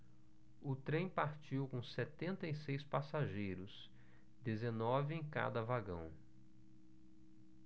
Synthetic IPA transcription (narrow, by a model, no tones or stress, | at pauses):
ʊt̪ɾẽj̃paɾt͡ʃiwkõsɛt̪ẽnt̪ɐisejspasaʒejɾʊs | d̪ezenɔvɪẽka̰d̪ɐvaɡɐ̰̃w̃